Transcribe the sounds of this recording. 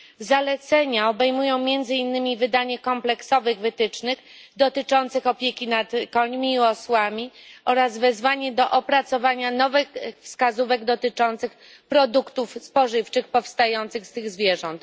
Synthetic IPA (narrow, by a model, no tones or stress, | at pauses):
zalɛt̪sɛɲaɔbɛjmujɔ̃w̃mʲjɛnd̪zɘinːɘmʲivɘd̪aɲɛkɔmplɛksɔvɘɣvɘt̪ɘt͡ʂnɘxd̪ɔt̪ɘt͡ʂɔnt̪sɘxɔpʲjekʲinat̪kɔɲmʲiːɔswamʲiʔɔɾazvɛzvaɲɛd̪ɔʔɔpɾat̪sɔvaɲanɔvɘxfskazuvɛɡd̪ɔt̪ɘt͡ʂɔnt̪sɘx | pɾɔd̪ukt̪ufspɔʐɘft͡ʂɘxpɔfst̪ajɔnt̪sɘxst̪ɘɣzvʲjɛʐɔnt̪